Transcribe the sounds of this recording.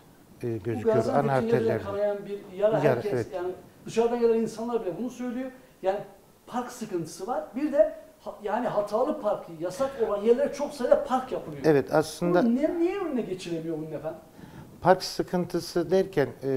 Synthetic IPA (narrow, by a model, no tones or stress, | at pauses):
ɟøzyɡoɾanaineeɛɾkʰaɾajanbiɾjaɾaɦæaɾcʰɛsɛjaːnid̪ɯʃaɾd̪aɟelʲæɾinsanlˠaɾbilʲɛbunusø̞jlʲejo̞ | jaːni | pʰaɾksɯkɯnt̪ʰɯ̥sɯvaɾ̥biɾd̪ɛhjaːniɦat̪ʰaːlˠɯpʰaɾkjasako̞lˠanjɛɾlʲeɾɛt͡ʃʰo̞ksajd̪apʰaɾkjapʰɯmˠjoɛvɛt̪ʰaslˠɯnd̪anɛnijɛynnɛɟe̞t͡ʃʰilʲemijo̞bunːɛfæn | pʰaɾksɯkʰɯnt̪ʰɯsɯd̪ɛɾcʰæn